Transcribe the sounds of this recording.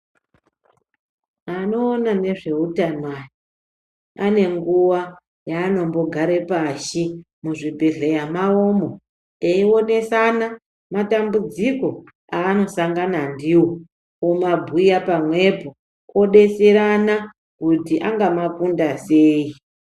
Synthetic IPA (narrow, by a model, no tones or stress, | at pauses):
ano̞ːnane̞ʐe̞utanwaji | ane̞ŋɡuwa | jaːno̞mbo̞ɡʱaɾe̞paʃi | muʐibʱe̞ɮejamao̞mo̞ | eio̞ne̞sana | matambud͡ziko̞ | aːno̞saŋɡanandiwo | omabʱujapamwe̞po | ko̞ɗe̞seɾana | kutiʔaŋɡamakundase̞ːi